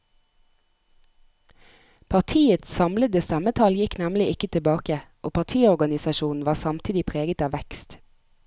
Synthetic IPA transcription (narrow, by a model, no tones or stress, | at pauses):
pʰɑʁt̪ʰiːət̪ssɑmləd̪əst̪æmət̪ʰɑljɪknæmlɪɪkət̪ʰɪbɑːkəʔoːpʰɑʁt̪ʰiːɔʁɡɑnɪsɑʃuːn̩ʋɑːʁsɑmt̪ʰiːd̪ɪpʰʁeːɡət̪ɑːʋɛkst̪